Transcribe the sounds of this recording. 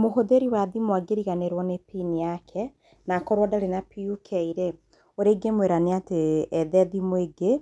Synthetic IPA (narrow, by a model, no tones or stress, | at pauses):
moɦoðeɾiwaðimwaɡeɾiɣaneɾwɔnepinijakʰɛ | nakɔɾwɔdaɾenapiukʰɛiɾe | oɾeɡemweɾaneateðɛðimweɡe